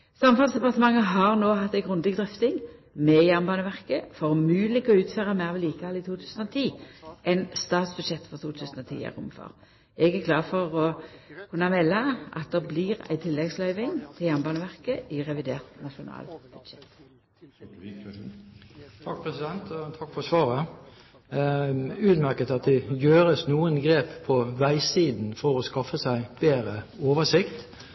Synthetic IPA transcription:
sɑmfɑnsd̪ɛpɑʁt̪əmɑŋːəɦɑʁnoːhɑt̪ːæɪɡʁʉnd̪ɪɡd̪ʁʏft̪ɪŋmɛjæʁnbɑːnəʋæʁkəfɔʁmʉːlɪɡɔʉːt̪føːʁəmæɪʁʋɪliːkəɑlɪt̪ʰuːt̪ʰʉːsən̩ɔt̪ʰiːʔɛnst̪ɑːt̪sb̥ʉd̪ʂɛt̪ːfɔʁt̪ʰuːt̪ʰʉːsən̩ɔt̪ʰḭːæ̰ʁʊ̰mfɔ̰ʁ | ɛɡæʁkʰlɑːfɔʁɔkʰʉnːɑmɛlːɑʔɑ̰t̪̚d̪ɛʁbliːʁæ̰ɪt̪ʰɪlːɛɡslœʏʋɪŋt̪ʰɪljæʁnbɑːnəʋæʁkəʔɪʁɛʋɪd̪eːʁt̪nɑʃʊnɑ̰ːlb̥ʉd̪̥ʃɛt̪ | t̪ʰɑk̚pʰɾɛsɪd̪ɛnt̪t̪ʰɑkːfɔsʋɑːʁə | ʉːd̪mæɾkət̪ɑt̪̚d̪ɛjøːʁəsnuːənɡɾeːppʰːɔʋæɪsiːd̪n̩fɔʁɔskɑfːəsæɪb̥eːʁəoːʋəsɪkt̪

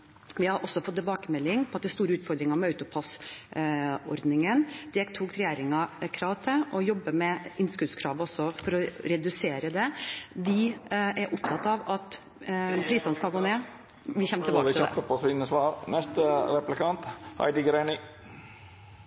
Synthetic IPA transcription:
ʋɪhɑɾʔɔsːɔfɔt̪ːɪbɑːkəmɛlːɪŋpʰɔɑt̪̚d̪ɛæɾst̪uːɾəʉːt̪fɔɾd̪ɾɪŋɑmɛɑʉt̪ʊpʰɑs | ɔ̰ɾd̪nɪŋənd̪̥ɛt̪ʰuːkɾɛjeːɾɪŋɑkʰɾɑːʋt̪ʰɪʔɔjɔbːəmɛɪnskʉd̪skʰɾɑːʋəɔsːɔfɔɾɔɾɛd̪ʉseːɾəd̪ɛʋ̪ɪʔæɾʔʊp̚t̪ʰɑt̪ːɑʋɑt̪ | pʰɾiːsɑnəskɑlɡoːneː | ʋɪçɛmːət̪ɪbɑːd̪ɪɔəpʰɔsʋɪnəsʋɑːɾnɛst̪əɾɛplɪkʰɑnt̪hɑ̰ɪd̪ɪɡɾenɪ

